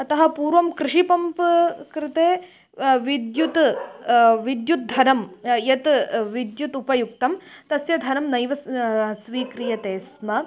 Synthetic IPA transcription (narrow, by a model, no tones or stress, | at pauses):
ɐt̪ɐɦɐ̆puːɾʋɐmkɾɪʂipɐmpkɾɪt̪eː | ʋid̪jut̪ | ʋid̪jut̪̚d̪ʱɐɾɐmjɐt̪ʋid̪jut̪upɐjuk̚t̪ɐmt̪ɐsjɐd̪ʱɐnɐmnɐjʋɐsʋiːkɾijɐt̪eːsmɐ